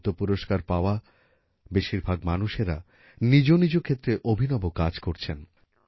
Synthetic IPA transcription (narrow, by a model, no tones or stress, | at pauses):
t̪opuɾoʃkaɾpaoa | beʃiɾbʱaɡ̚manuʃeɾa̰ | nid͡ʑonid͡ʑokʰet̪ːɾeʔobʱinɔbokad͡ʑkoɾt͡ɕʰen